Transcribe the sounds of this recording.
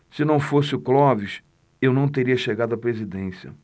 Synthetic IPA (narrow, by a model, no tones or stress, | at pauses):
sɪnɐ̃w̃fosɪʊklɔviʃ | ewnɐ̃w̃t̪eɾiɐʃeɡad̪ʊɐpɾezid̪ẽsjɐ̰